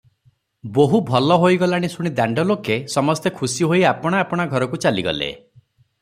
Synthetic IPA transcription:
boɦubʱɔlɔɦoiɡɔlaɽ̃isuɽ̃id̪aɳɖɔlokesɔmɔst̪ekʰusiɦoiapɔɽ̃aːpɔɽ̃aɡʱɔɾɔkut͡ʃaliɡɔ̰lḛ

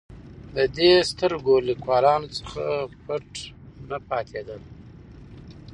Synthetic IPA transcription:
d̪əd̪est̪əɾɡolikwɑːlɑnot͡sə̥xapaʈnapɑt̪ʰed̪əl

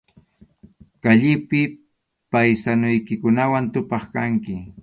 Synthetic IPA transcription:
kaʎɪpɪ | pajsanʊjkɪkʊnawant̪ʊpɑχkaŋkɪ

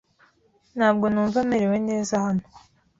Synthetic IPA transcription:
n̥haːb̚ɡo̞nuːɱvameɾewe̞ne̞ːzahanu̥

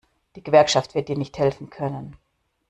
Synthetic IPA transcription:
d̥iːɡəvɛɐkʃaftv̥ɪɐt̚d̥iːɐnɪçthɛlfn̩kʰœnən

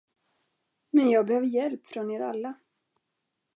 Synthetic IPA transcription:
mɛnjɑːɡ̚bɛhøːvəɾjɛlpfɾɔneːɾa̰lːa

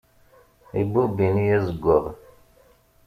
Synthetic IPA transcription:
ḭbubinijæzəɡʷːəʁ

